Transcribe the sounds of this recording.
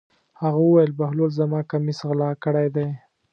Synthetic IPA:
haɣawəwajəlbahlolzamɑkamisɣlɑkəɽajd̪aj

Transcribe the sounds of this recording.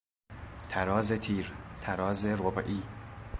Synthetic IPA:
t̪ʰæɾɒːzet̪ʰiːɾt̪ʰæɾɒːzeɾobʔiː

